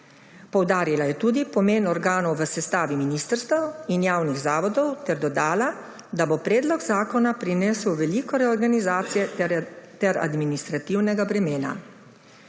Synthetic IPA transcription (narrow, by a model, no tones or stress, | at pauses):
pɔwd̪aːɾilajɛt̪uːd̪ipɔmeːnɔɾɡaːnɔwʋəsɛst̪aːʋiminist̪əɾst̪ʋɐwinjaːwniɣzaːʋɔd̪ɔwt̪ɛɾd̪ɔd̪aːla | d̪abopɾɛːd̪lɔɡzaːkɔnapɾinɛːsəwʋɛlikɔɾɛɔɾɡanizaːt̪sijɛt̪ɛɾa̰d̪minist̪ɾat̪iwnɛɡabɾɛmeːna̰